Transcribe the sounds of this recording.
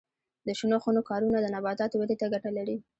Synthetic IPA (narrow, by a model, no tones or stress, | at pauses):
d̪əʃunoxunokɑɾunad̪ənabɑt̪ɑt̪owed̪et̪aɡaʈalaɾi